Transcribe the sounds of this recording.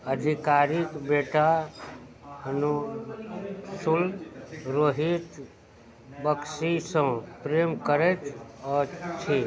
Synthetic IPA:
əd̪ʱikaːɾikbeːʈa | hənu | sulɾoːɦit̪ | bəksisə̃pɾeːmkəɾet͡ʃɔːɾt͡ʃʰiː

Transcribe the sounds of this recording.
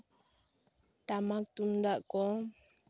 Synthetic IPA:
ʈamak̚t̪umd̪aʔkɔ

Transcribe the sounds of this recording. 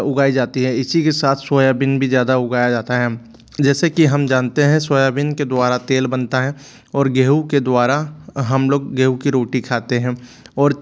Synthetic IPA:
ʊɡaːid͡ʒaːt̪iɦɛɪsikesaːt̪ʰswoːjabɪnbʱizjaːd̪aʊɡaːjad͡ʒaːt̪aɦɛ | d͡ʒɛːsekiɦɐmd͡ʒãːnt̪eɦɛ̃swoːjabɪnked̪waːɾat̪eːlbɐnt̪aɦɛ̃ | ɔːɾɡeːɦuked̪waːɾaɦɐmloːɡːeːɦukiɾoːʈikʰaːt̪eɦɛ̃ːɔːɾ

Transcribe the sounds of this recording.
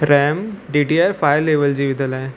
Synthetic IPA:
ɾɛːmɖiːɖiafaːjleːʋəld͡ʑiːʋɪd̪əlɦɛ̃ː

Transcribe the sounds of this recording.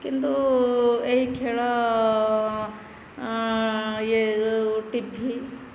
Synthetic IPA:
kɪnt̪u | eɦikʰeːɭa | jeʈibʱi

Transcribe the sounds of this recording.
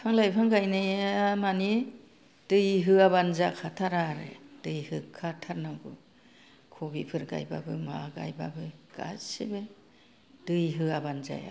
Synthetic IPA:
pʰaŋlajpʰaŋɡajnaamani | d̥ɯjɦɯaβanzakʰatʰaɾaɾɯ̰d̥ɯjhɯkʰːatʰaɾnaɡɯ̰ | kʰɔbipʰɯɾɡa̰jba̰bɯmaɡa̰jba̰bɯɡ̥a̰sibɯ | d̥ɯjɦɯabanza̰ja̰

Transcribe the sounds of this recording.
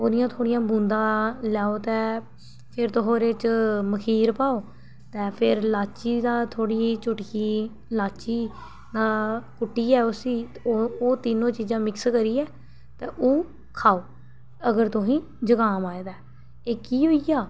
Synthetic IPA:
oːd̪ɪjãːt̪ʰoːɽɪjãːbũːnd̪ãːlɛːoːt̪ɛ̃ː | pʰɪɾt̪oɦoːɾeːt͡ʃməkʰiːɾpaːoː | t̪ɛ̃ːpʰɪɾlaːt͡ʃiːd̪aːt̪ʰoːɽiːt͡ʃʊʈkiː | laːt͡ʃiː | naːkʊʈːiːɛːʊsiː | oːt̪ɪnõːt͡ʃiːzãːmɪkskəɾiːɛː | t̪ɛ̃ːʔoː | kʰaːoː | əɡəɾt̪ʊɦĩː | d͡ʒəɡaːmaːeːd̪aː | eːkiːɦoːiːɡaː

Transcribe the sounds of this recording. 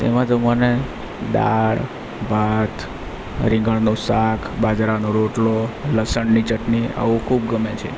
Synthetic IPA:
t̪ḛmãd͡ʒ̪omane | ɗ̪a̰ɭ | bʱat̪ʰ | ɾɪ̃ŋɡəɭnosakʰbad͡ʒɾanoɾoʈloləsəɳnit͡ʃəʈnia̰ũkʰub̚ɡəmet͡ʃʰḛ

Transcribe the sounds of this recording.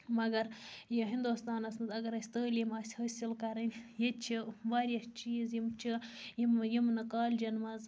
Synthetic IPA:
mɐɡɐɾjiɦind̪uːst̪aːnɐsnɨt̪ɐɡɐɾɐsʲt̪əːlʲimaːsʲhɐsʲilkɐɾɐnʲjet͡ʃʰiʋaːɾʲjɐt͡ʃiːzjimt͡ʃʰijimjimnɐkaːlʲd͡ʒɐnmɐz

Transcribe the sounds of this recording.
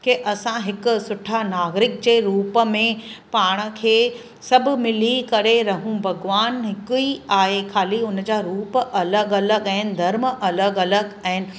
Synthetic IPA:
keʔɐsãɦɪkʊ̆sʊʈʰanaːɡɾɪk̚d͡ʑeːɾuːpə̆mẽpaːɽ̃ə̆kʰeː | sɐbʱʊmɪlikɐɾeɾɐɦũbʱɐɡʋaːnɦɪkʊiaːɦekʰaːliʊnd͡ʑaːɾuːpʔɐləɡɐləɡɛ̃ːɪnɪ̆d̪ʱɐɾməʔɐləɡɐləɡɛ̃ːnɪ̆

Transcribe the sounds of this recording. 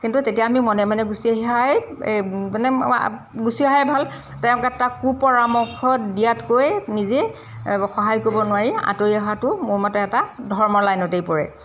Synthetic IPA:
kintutetiaːmimɔnɛmanɛɡusiaɦiɦaj | ɛnɛ | ɡusiaɦajbʱal | tɛʊ̃kɛtakupɔɹamɔkʰɔdijatkojnize | xɔɦajkobɔnʊwaɹiã̰toɹiaɦatʊmʊmatɛːtadʱɔɹmɔlajnɔtejpɔɹɛ̰

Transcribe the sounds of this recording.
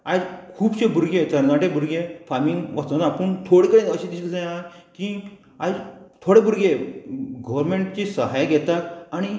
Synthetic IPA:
ad͡ʑkʰuːbt͡ɕẽbuɾɡet̪əɾnaʈebʱuɾɡefaɾmiŋɡʋat͡sənapəɳt̪ʰoɽekəɽẽəɕẽd̪isɡəsẽjãki | ad͡zt̪ʰoɽebʱuɾɡeɡəʋəɾmẽɳʈt͡ɕesəɦajɡʱɛt̪at̪aɽ̃i

